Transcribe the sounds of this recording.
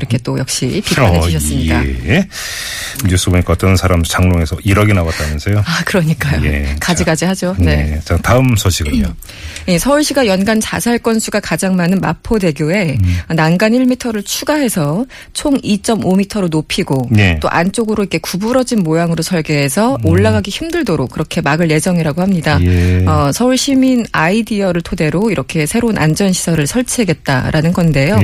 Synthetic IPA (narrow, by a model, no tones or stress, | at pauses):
iɾʌkʰe̞t͈ojʌk̚ɕ͈ḭpikneɕʰʌss͈ɯmɲida̰ | ɲus͈ɯboɲikaʌt͈ʌnsʰaɾamt͡ɕaŋnoŋe̞sʰʌiɾʌɡenawat̚t͈anʌnsʰejoakɯɾʌɲik͈ajo̰ḛkad͡ʑiɡad͡ʑiɦad͡ʑone̞t͡ɕataɯmsʰʌɕʰiɡɯo | je̞sʰʌɯɭɕʰiɡajʌnɡant͡ɕasʰaɭk͈ʌnsʰuɡakad͡ʑaŋmanɯnmapʰode̞ɡjoe̞nanɡaniɭmitʰʌɾɯɭt͡ɕʰuɡaɦe̞sʰʌ | t͡ɕʰoŋit͡ɕ͈ʌmomitʰʌɾonopʰiɡoet͈o̰ʔa̰nt͡ɕ͈oɡɯɾoike̞kubuɾʌd͡ʑinmojaŋɯɾosʰʌɭɡe̞ɦesʰʌoɭːaɡaɡiçimdɯɭdoɾok̚k͈ɯɾʌkʰe̞maɡɯɭje̞d͡ʑʌŋiɾaɡohamɲidaʌsʰʌuɭɕʰiminaidiʌɾɯɭtʰode̞ɾoiɾʌkʰe̞sʰe̞ɾounʔa̰nd͡ʑʌnɕʰi̥sʰʌɾɯɭsʰʌɭt͡ɕʰeɦeɡe̞t̚t͈a̰ɾʔanɯnɡʌnde̞jo